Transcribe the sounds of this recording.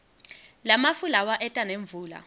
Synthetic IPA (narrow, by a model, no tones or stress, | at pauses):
lamafulawaʔɛtʼaneɱvuːla̰